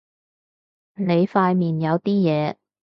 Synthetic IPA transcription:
ne˨˧jfaː˧jmiː˨˩njɐ˨˧wt̪iː˥jɛː˨˧

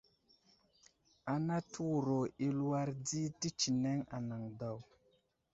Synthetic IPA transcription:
a˨na˦tʰu˦wu˨ɾo˨i˦lu˦wa˦ɾdi˦ti˦t͡ʃi˨ne˦ŋa̰˨na˨ŋda˨w

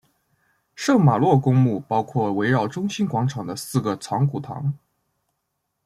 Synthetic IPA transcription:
ʂɤ˥˩ŋma˨˩lwɔ˥˩kʊ˥ŋmu˥˩pɑ˥ʊkʰwɔ˥˩we˧˥ɪɻɑ˥˩ʊʈ͡ʂʊ˥ŋɕi˥nkwɑ˧˥ŋʈ͡ʂʰɑ˨˩ŋd̪ə˦sɹ̩˥˩ɡə˩t͡sʰɑ˧˥ŋku˨˩t̪ʰɑ̰˧˥ŋ

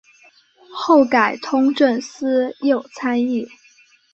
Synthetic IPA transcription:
xo˥˩ʊka˨˩ɪt̪ʰʊ˥ŋʈ͡ʂə˥˩nsɹ̩˥jo˥˩ʊt͡sʰa˥ni˥˩

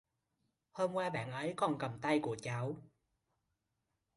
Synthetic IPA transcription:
hoː˧mkwaː˧ɓa̰ː˧˨nʔə˨˦jkɔ˨˩nkə˨˩mt̪a˧jku˧˩ət͡ɕa˨˦w

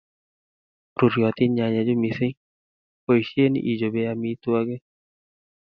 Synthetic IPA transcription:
ɾu˨ɾjɔ˨t̪ɪ˦ɲa˨ɲa˨d͡ʒo˦mi˨sɪ˦ŋ | po˦i˨ʃje˦nḭ˨ʔi˨d͡ʒo˨be˦a˦mi˦t̪wa˦ɡe˦

